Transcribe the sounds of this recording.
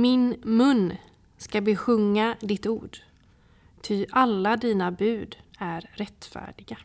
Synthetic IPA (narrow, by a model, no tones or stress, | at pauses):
mɪnmɵnː | skabeɧɵŋːad̪ɪt̪uːɖ | t̪ʰɪʔalːad̪iːnabʉ̟ːd̪æɾɾɛt̪fæ̰ːɖɪɡa